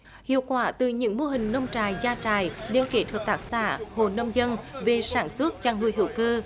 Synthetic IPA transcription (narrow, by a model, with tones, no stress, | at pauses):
hḭ˧˨əwkwaː˧˩t̪ɨ˨˩ɲɨ̰˧˥ŋmo˧ɦï˨˩ŋ̟nə˧wŋ͡mt͡ɕaː˨˩jzaː˧t͡ɕaː˨˩jɗe˧˦nke˨˦˥t̪ʰwəː˨˩t̚t̪aː˦˥k̚sa̰ː˧˥ho˨˩nə˧wŋ͡mzə˧nve˨˩saː˧˩nswə˦˥ət̚t͡ɕaː˧ŋŋu˧əjɦḭ˧˩əwkəː˧